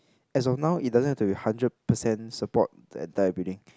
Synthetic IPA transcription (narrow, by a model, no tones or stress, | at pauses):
ɛs̬ɔfnãʊʔit̚dazə̃nhɛftubihãndɹəd̚pəsɛ̃nsəpɔt̚dɛ̰̃ndajəbidĩŋ